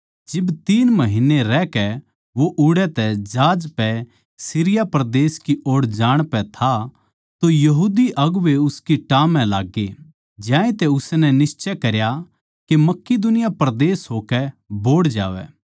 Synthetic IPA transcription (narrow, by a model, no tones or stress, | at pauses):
d͡ʒɪbt̪iːnmɐɦɪneɾɛkɛ | ʋoʔʊɽɛt̪ɛd͡ʒaːd͡ʒpɛ | siɾɪjapɾd̪eːskioːɽd͡ʒaːɽ̃pɛt̪ʰa | t̪ojɐɦuːd̪iʔɐɡʊʋeʊskiʈaːmːɛ̃laːɡːe | d͡ʒjãːẽt̪ɛʊsnɛnɪst͡ʃɛkɐɾja | kemɐkːed̪ʊnɪjapɾd̪eːsɦoːkɛboːɽd͡ʒa̰ːʋɛ̰ː